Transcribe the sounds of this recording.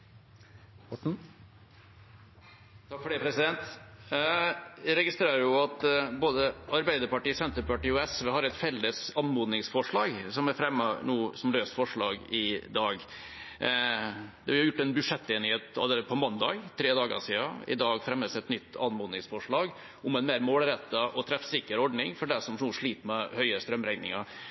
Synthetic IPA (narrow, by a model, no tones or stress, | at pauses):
ɔ | t̪ʰɑkfɔɖeːpʰɾɛsɪd̪ɛnt̪ | ɪɾɛɡɪst̪ɾeːɾəɾjʊɑt̪boːd̪əɑɾbæɪd̪əɾpɑʈiːsɛnt̪əɾpɑʈiːɔɛsʋehɑɾɛt̪fɛlːəsɑnmuːd̪nɪŋsfɔʂɭɑːɡsɔmæɾfɾɛmːənuːsɔmløːst̪fɔʂɭɑːɡɪd̪ɑːɡ | d̪ɛhɑɾʊjʊʈːɛnbʉʂɛt̪ːeːnɪheːt̪̚ɑ̰ld̪pʰɔmɑnd̪ɑ̰ːɡt̪ʰːɾeːd̪ɑːɡə̰ʂiːɑɪ̰d̪ɑːɡfɾɛmːəsɛt̪nʏt̪ːɑ̰nmoːd̪nɪŋsfɔʂɭɑːɡ | ʊmɛnmeːɾmoːlɾɛt̪ːəʔɔt̪ʰɾɛfsɪkəɾɔɖɳɪŋfɔɖæʂɔmnuːʂɭiːt̪mɛhœʏəst̪ɾœmɾæɪnɪ̰ŋɑɾ